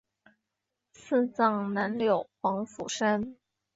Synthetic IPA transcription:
sɹ̩˥˧t͡sɑ˥˩ŋna˧˥nljo˨˩ʊxwɑ˧˥ŋfṵ˨˩ʂə˥n

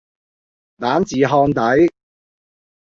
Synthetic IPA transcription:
t̪aː˨˥nt͡siː˨˧ɦɔː˧nt̪ɐ˨˥j

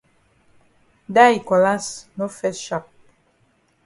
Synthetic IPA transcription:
da˦i˨kɔ˨la˦sno˦fɛ˦tʃa˦˨p̚

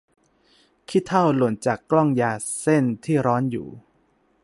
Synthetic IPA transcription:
kʰi˦˥t̪ʰːa˥˩wlu˨˩ə˦nt͡ɕaː˨˩kːlɔ˥˩ŋjaː˧se˥˩nt̪ʰiː˥˩ɾɔː˦˥njṵː˨˩

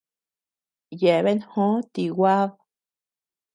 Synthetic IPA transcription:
je˨βe˦nhõ˦t̪i˨wa˦ð

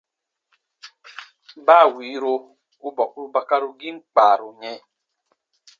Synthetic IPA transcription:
ba˦˨wi˨˦ɾo˦ | u˦bɔ˨ku˦u˦ba˨ka˦ɾu˨ɡi˦ŋ͡m̩˦k͡paː˨ɾu˨ɲe˦

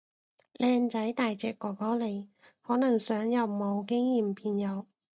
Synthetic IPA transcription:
lʔɛː˧ŋt͡sɐ˨˥jt̪aː˨jt͡sɛː˨˩kːɔː˨˩kɔː˨˥le˨˧jhɔː˨˥nɐ˨˩ŋsœː˨˥ŋjɐ˨wmo˨˧wkɪ˥ŋjiː˨mpʰiː˧njɐ˨˧w

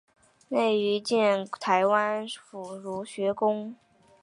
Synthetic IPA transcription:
ne˥˩ɪy˧˥t͡ɕjɛ˥˩nt̪ʰa˧˥ɪwa˥nfu˨˩ɻu˧˥ɕɥɛ˧˥kʊ˥ŋ

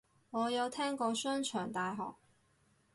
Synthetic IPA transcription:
ŋɔː˨˧jɐ˨˧wt̪ʰɛː˥ŋkɔː˧sœː˥nt͡ʃʰœː˨˩ŋt̪aː˨˧jɦɔ̰ː˨k̚

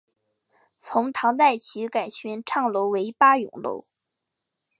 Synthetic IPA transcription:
t͡sʰʊ˧˥ŋt̪ʰɑ˧˥ŋt̪a˥˩ɪt͡ɕʰi˧˥ka˨˩ɪt͡ɕʰɛ˧˥nʈ͡ʂʰɑ˥˩ŋlo˧˥ʊwe˧˥ɪpa˥jʊ̰˨˩ŋlo̰˧˥ʊ

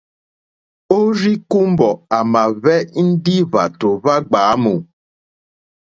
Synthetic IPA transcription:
o˦ri˦ku˦m˦bɔ˨a˨ma˨vɛ˦n̩˦di˦va̰˨to˨va˦ɡ͡baː˨˦mo˨

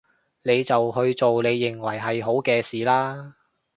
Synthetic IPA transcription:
ne˨˧jt͡sɐ˨whɵ˧ɥt͡so˨wle˨˧jːɪ˨ŋwɐ˨˩jɦɐ˨jɦo˨˥wkɛː˧siː˨˩laː˥

